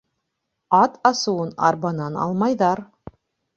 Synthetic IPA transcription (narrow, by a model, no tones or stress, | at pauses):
ɑt̪ʰɑsuwɤnɑ̰ɾbɑnɑnɑ̰lˠmɑjðɑɾ